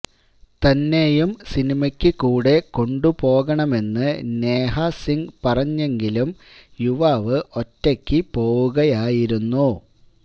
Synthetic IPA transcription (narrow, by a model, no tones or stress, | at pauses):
t̪ɐnːe̞jumsinimɐkʲːɨkuːɽe̞ko̞ɳɖupo̞ːɣɐɳɐme̞nːɨneːhɐsiŋɡpɐrɐɲːe̞ŋɡilum | juʋaʋɨʔo̞tːɐkʲːipo̞ːwuɣɐjaːjiɾunːu